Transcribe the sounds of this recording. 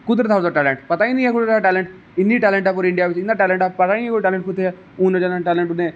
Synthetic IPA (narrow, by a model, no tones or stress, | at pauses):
kʊd̪ɾət̪ʰaːzaʈɛːlẽɳʈpɐt̪aːĩnɐĩɛːkʊd̪ɾəaʈɛːlɛ̃ɳʈ | ɪniʈɛːlɛ̃ɳʈɛpʊːɾɪ̃ɳɖijaʋɪt͡ʃɪ̃nd̪aʈɛːlə̃ɳʈɛːpɐt̪aĩkoːiʈɛːlẽɳʈkʰʊt̪ʰeɛ | ʊ̃nẽd͡ʒanãʈɛːlẽɳʈʊnẽː